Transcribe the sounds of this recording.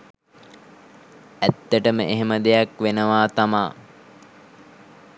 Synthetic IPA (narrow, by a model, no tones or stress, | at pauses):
æt̪ːəʈəməʔeɦeməd̪ejakʋenəʋaːt̪amaː